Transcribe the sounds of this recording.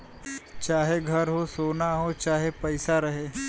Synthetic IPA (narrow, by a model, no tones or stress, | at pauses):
t͡ʃaɦeɡʱəɾɦosonaɦot͡ʃaɦepəjsaɾəɦe